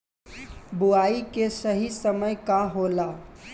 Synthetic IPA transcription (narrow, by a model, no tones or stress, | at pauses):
buaikesəɦisəməjkaɦola